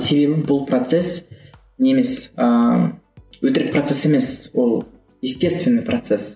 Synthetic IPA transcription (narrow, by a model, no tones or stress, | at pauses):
sebebɪbʊlˠprot̪ses | nʲeeme̞sə | wɵt̪ɪɾɪk̚prɐt̪sese̞me̞swolˠ | jɪsʲt̪ʲe̞st̪vʲɪnːɨjprɐt̪ses